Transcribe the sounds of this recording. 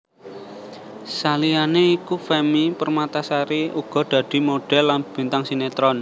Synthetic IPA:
salianeikufɛmipərmat̪asaɾiuɡ̥ɔ̤d̪̥ä̤d̪̥i̤moɖ̥ɛ̤lːanb̥i̤nt̪aŋsinet̪ɾɔn

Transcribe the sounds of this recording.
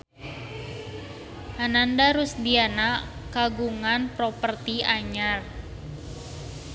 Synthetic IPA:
hanandaɾusdianakaɡuŋanpɾopərt̪iaɲar

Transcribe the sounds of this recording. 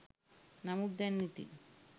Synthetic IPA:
namud̪ɛnːit̪ḭ

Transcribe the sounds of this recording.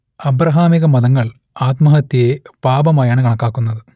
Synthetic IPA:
ɐbɾɐɦaːmiɣɐmɐðɐŋːɐɭ | aːt̪mɐɦɐt̪ːijepaːbɐmaːjaːɳɨkɐɳɐkːaːkːunːɐðɨ

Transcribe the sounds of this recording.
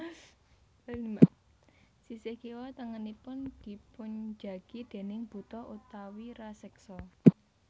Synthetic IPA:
sisekiwɔt̪əŋənipʊnd̪̥i̤pʊɲd͡ʒa̤ɡ̥id̪̥e̤nɪŋb̥ṳt̪ɔʔut̪awiɾasɛksɔ

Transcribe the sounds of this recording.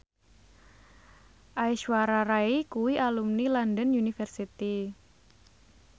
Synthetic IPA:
ʔaiʃwaɾaɾaikuwiʔalumnilandənjunifɛrsit̪i

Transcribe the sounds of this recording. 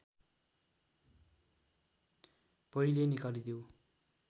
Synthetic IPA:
pʌilenikalid̪jo

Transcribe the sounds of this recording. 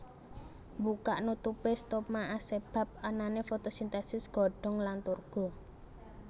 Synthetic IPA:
mbukaʔnut̪upest̪ɔp̚maʔaseb̥a̤p̚ananefot̪osint̪asɪsɡ̥ɔ̤ɖ̥ɔ̤ŋlant̪urɡ̥ɔ̤

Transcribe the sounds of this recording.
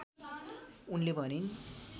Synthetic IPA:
unlebʱʌnin

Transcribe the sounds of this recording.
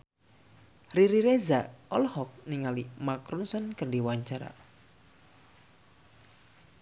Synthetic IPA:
riɾiɾezaɔlhɔk̚niŋalimakɾunsɔnkərɖiwaɲt͡ʃaɾa̰

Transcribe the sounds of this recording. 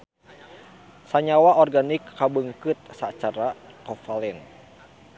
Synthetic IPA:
saɲawaʔɔrɡanikːabəŋkɨt̪̚sat͡ʃaɾakɔfalɛn

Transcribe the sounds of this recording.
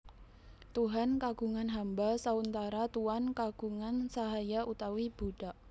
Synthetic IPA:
t̪uɦankaɡ̥uŋanɦambasaunt̪aɾat̪uankaɡ̥uŋansaɦajaʔut̪awib̥uɖ̥aʔ

